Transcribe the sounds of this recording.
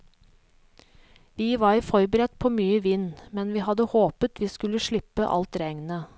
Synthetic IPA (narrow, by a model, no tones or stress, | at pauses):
ʋiːʋɑːɾfɔɾbəɾɛt̪̚pʰoːmyːəʋɪnːmɛnʋiːhɑd̪əhoːpət̪ʋiːskʉləʃɭɪpːəʔɑ̰lt̪ɾæŋnə